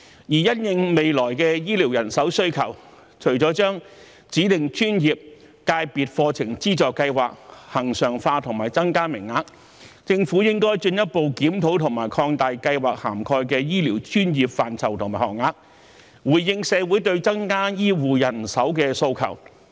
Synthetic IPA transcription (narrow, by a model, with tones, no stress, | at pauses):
jiː˨˩jɐ˥njɪ˧ŋme˨jlɔː˨˩jkɛː˧jiː˥li˨˩wjɐ˨˩nsɐ˨˥wsɵ˥ɥkʰɐ˨˩w | t͡ʃʰɵ˨˩ɥt͡sɔː˨˥t͡ʃœː˥ŋ | t͡siː˨˥t̪ɪ˨ŋt͡ʃyː˥njiː˨p̚ | kaː˧jpiː˨t̚fɔː˧t͡sʰɪ˨˩ŋt͡siː˥t͡sɔː˨kːɐ˧jwaː˨k̚hɐ˨˩ŋsœː˨˩ŋfaː˧t̪ʰʊ˨˩ŋmaː˨˩jt͡sɐ˥ŋkaː˥mɪ˨˩ŋːaː˧k̚ | t͡sɪ˧ŋfu˨˥jɪ˥ŋkɔː˥jt͡ʃɵ˧njɐ˥t̚po˨˧wkiː˨˥mt̪ʰo˨˧˥wt̪ʰʊ˨˩ŋmaː˨˩jkʰɔː˧ŋt̪aː˨jkɐ˧jwaː˨˩k̚haː˨˩mkʰɔː˧jkɛː˧jiː˥liː˨˩wt͡ʃyː˥njiː˨p̚faː˨nt͡sʰɐ˨˩wt̪ʰʊ˨˩ŋmaː˨˩hɔ̰ː˨˩k̚ŋaː˧k̚ | wuː˨˩jːɪ˧ŋsɛː˨˧wu˨˥jt̪̬ɵ˧ɥt͡sɐ˥ŋkaː˥jiː˥wuː˨jɐ˨˩nsɐ˨˥wkɛː˧so˧wkʰɐ̰˨˩w